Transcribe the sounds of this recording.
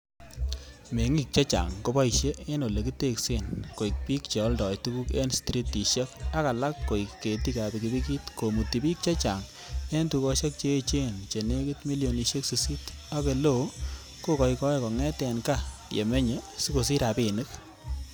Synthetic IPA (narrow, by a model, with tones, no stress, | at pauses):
me˨ŋi˦k̚t͡ʃe˦t͡ʃa̰˨ŋko˨bɔ˦jʃe˦e˦no˨le˨ki˦te˦ksɪ˦˨nko˨i˨k̚pi˦kt͡ʃe˨ɔ˦ldɔ˨jtu˦ku˦kḛ˦nstɾi˦ti˨ʃe˦k̚a˦ka˨la˦kːo˨i˨kːe˨ti˦ka˨bi˨ki˨bi˦ki˦tko˨mu˨ti˨pi˦k̚t͡ʃa˦t͡ʃa˨ŋ | e˦ntu˨kɔ˦ʃe˦k̚t͡ʃe˦t͡ʃe˦nt͡ʃe˨ne˦ki˦tmi˦ljo˨ni˨ʃe˦ksi˨si˦ta˦ke˨lo˦˨ | ko˦kɔ˨jkɔ˦e˦kɔ˨ŋɛ˦tɛ˨nka˦˨jḛ˨me˦ɲe˨su˦ko˨s̬i˦ɾa˨bɪ˨nɨ˦k